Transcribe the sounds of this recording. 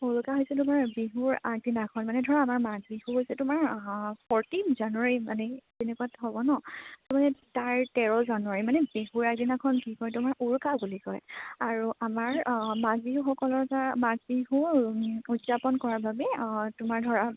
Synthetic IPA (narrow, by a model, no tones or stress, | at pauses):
uɹkaɦojsɛtʊmaɹbiɦuɹaɡ̚dinakʰɔnmanɛdʱɔɹaːmaɹmaɡ̚bihuɦojsɛtʊmaɹpʰɔɹtinʰzanuaɹimanɛ | ɛnɛkuatɦɔbɔnɔsɔmanɛtaɹtɛɹɔzanuaɹimanɛbiɦuɹaɡ̚dinakʰɔnkikɔjtʊmaɹuɹkabulikɔjaɹuʔamaɹmaɡ̚biɦuxɔkɔlɔɹkamaɡ̚biɦu | udzapɔnkɔɹaɹbʱabɛtʊmaɹdʱɔɹa